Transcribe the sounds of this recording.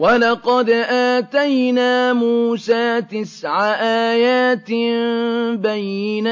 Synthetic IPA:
walɑqɑd̪ʔaːt̪ajnaːmuːsaːt̪ɪsʕaʔaːjaːt̪ | bajɪna

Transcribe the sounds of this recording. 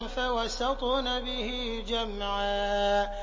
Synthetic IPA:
fawasɑt̪ˤuːnabɪhɪ | d͡ʒamʕaː

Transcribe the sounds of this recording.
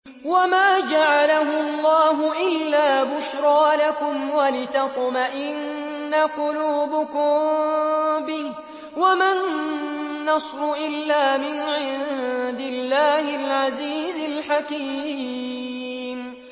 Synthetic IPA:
wamaːd͡ʒaʕalaɦʊɑlˤːɑːɦʊʔɪlːaːbʊʃɾˤɑːlakʊmwalɪt̪ɑt̪ˤmaʔɪnː | aqʊluːbʊkʊm | bɪh | wamanː | ɑsˤɾʊʔɪlːaːmɪnʕɪd̪ɪlːaːhɪlʕaziːzɪlħakiː | m

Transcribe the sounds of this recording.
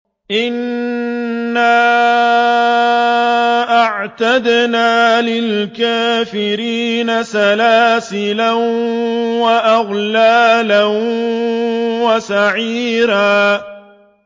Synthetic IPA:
ʔɪnː | aː | ʔaʕt̪ad̪naːlɪlkaːfɪɾiːnasalaːsɪlan | waʔaɣlaːlan | wasaʕiːɾaː

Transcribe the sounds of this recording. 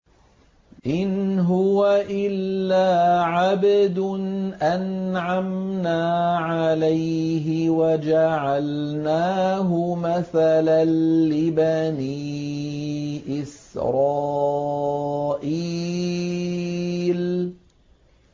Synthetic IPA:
ʔɪnɦʊwaʔɪlːaːʕabd̪nʔanʕamnaːʕalaj | ɦɪwad͡ʒaʕalnaːɦʊmaθalaːɪbaniː | ʔɪsɾˤɑː | ʔiː | l

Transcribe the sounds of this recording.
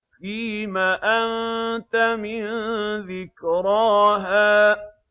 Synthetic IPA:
fiːmaːʔant̪amɪnðɪkɾɑɦaː

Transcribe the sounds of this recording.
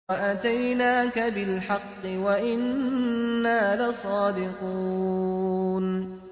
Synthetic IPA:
aʔat̪ajnaːkabɪlħɑqːɨwaʔɪnː | aːlasˤɑːd̪ɪqu | n

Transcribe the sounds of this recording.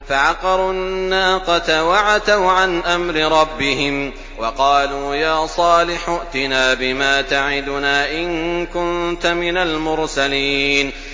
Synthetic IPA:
faʕɑqɑɾˤʊnːaːqɑt̪awaʕad̪awʕanʔamɾɪɾˤɑbːɪhɪm | wɑqɑːluːjaːsˤɑːlɪħʊʔt̪ɪnaːbɪmaːt̪aʕɪd̪ʊnaːʔɪnkʊnt̪amɪnalmʊɾsaliːn

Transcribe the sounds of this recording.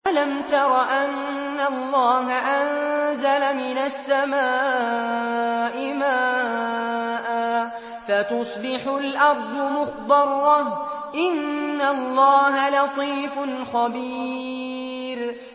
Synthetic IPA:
ʔalamt̪ɑɾˤɑʔanː | alˤːɑːɦaʔanzalamɪnasːamaː | ʔɪmaː | ʔa | fat̪ʊsˤbɪħʊlʔɑɾˤd̪ˤʊmʊxd̪ɑrˤ | ʔɪnːalˤːɑːɦalɑt̪ˤiːfʊnxɑbi | ɾ

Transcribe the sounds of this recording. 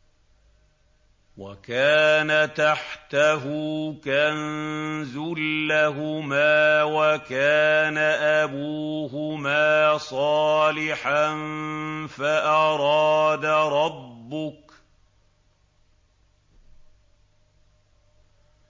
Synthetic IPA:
wakaːnat̪aħt̪aɦuːkanzʊlːaɦʊmaːwakaːnaʔabuːɦʊmaːsˤɑːlɪħanfaʔɑɾˤɑːd̪aɾˤɑbːʊk

